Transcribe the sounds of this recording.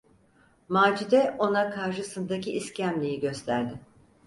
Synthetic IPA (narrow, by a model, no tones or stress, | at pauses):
maːd͡ʒid̪ɛo̞nakʰaɾʃɯsɯnd̪aciːscæmlʲijiɟø̞st̪ʰæɾd̪ɪ